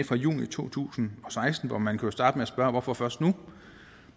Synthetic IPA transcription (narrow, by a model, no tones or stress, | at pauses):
fʁɑ̈jṵːnit͡sʰo̝̰ːt͡sʰṵːsn̩ɒ̽sɑ̈ɪsd̥n̩ʋɒmænkʰusd̥ɑ̈ːd̥əmeæsb̥ɶɐʋɒfɒ̽fɶɐsd̥nu